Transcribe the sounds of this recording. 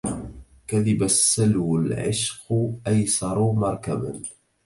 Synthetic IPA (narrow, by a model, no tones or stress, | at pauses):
kæðibəsːəlwəlʕɪʃqʔæjsɑɾˤʊmɑɾˤkæbə̰n